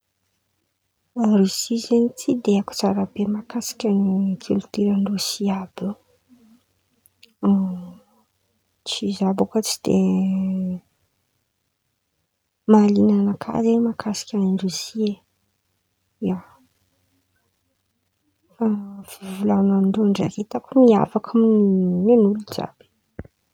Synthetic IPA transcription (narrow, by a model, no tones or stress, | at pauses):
aɾisizenit͡sʰid̪eaku̥t͡saɾabemakasi̥kʲanikʰult̪iɾaɳɖ͡ʐusiabi | t͡sizabakot͡si̥d̪̥e | malinanakʰa̰zemakʰasi̥kʲaaɳɖ͡ʐuzie | ia | fav̥ivulanamiɳɖ͡ʐuaɳɖ͡ʐa̰ɾit̪akumia̰fakʰummenuluz̥a̰b̥i̥